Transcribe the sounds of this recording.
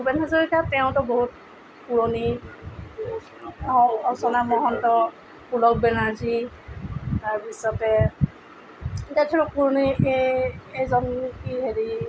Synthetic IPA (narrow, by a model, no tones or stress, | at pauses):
bɛnazɔɹikatɛʊ̃tɔboɦut̚ | kuɹɔni | ãɔsɔnamɔɦɔntɔ | kulɔk̚bɛnazi | taɹbisɔtɛ | tatʰɛɹɔkuɹonieejzɔnkiɦeɹi